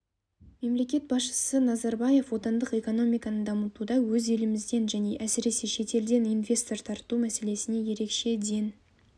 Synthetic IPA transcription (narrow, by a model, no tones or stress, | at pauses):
me̞mle̞kʲe̞t̪̚bɑsʃə̥sənɑzɑɾbɑje̞fwo̞t̪ɑnd̪əqe̞ko̞no̞mijkɑnəd̪ɑmət̪ud̪ɑwɵze̞lɪmɪzd̪e̞nʒæne̞ʔæsɪɾe̞se̞ʃe̞t̪e̞ld̪e̞ninvʲe̞st̪o̞ɾt̪ʰɑɾt̪umæse̞le̞sɪne̞je̞ɾe̞kʃe̞d̪e̞n